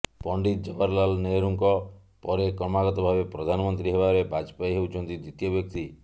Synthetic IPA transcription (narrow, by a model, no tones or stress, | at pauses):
pɔɳɖit̪̚d͡ʒɔbaɾlalneɾuŋkɔ | pɔɾekɾɔmaɡɔt̪ɔbʱabepɾɔd̪ʱanɔmɔnt̪ɾiɦebaɾebʱad͡ʒpajɦewt͡ʃʰɔnt̪id̪it̪ijɔbjɔk̚t̪i